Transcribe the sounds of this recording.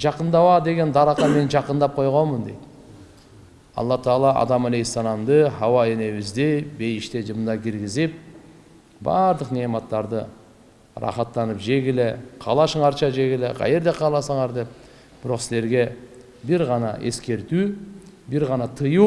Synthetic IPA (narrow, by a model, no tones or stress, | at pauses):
d͡ʒɑqɯnd̪ɑwɑd̪e̞ɡʲe̞nd̪ɑɾɑqːɑme̞nd͡ʒɑqənd̪ɑp̚qʰo̞jʁo̞nmənd̪ejt̪ | ɑ̰lˠːɑt̪ɑɑːlˠɑɑ̰d̪ɑmælejsɑnɑmd̪ɯɦɑwɑe̞ne̞βɪzd̪ebe̞jiʃt̪ed͡ʒɯmd̪ɑkʲiɾɡʲizip̚ | bɑ̰ɾd̪ɯqnemɑt̪ːɑɾd̪ɯ | rɑ̰χɑt̪ːɑnɯpd͡ʒe̞ɡile̞qʰɑ̰lˠɑʃɯɴɑɾt͡ʃʰɑd͡ʒe̞ɡileqʰɑ̰je̞ɾd̪eqʰɑːlˠɑsɑɴɑɾd̪e̞p̚ | b̥ɪɾo̞qsɪle̞ɾɡe̞ | biɾʁɑnɑ̰ʔe̞̰skʲe̞ɾt̪y | biɾʁɑnɑt̪ʰɯju